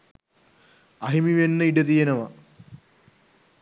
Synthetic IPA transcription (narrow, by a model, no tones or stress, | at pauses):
ɐɦimiʋenːɐiɖɐt̪ijɐnɐmɐ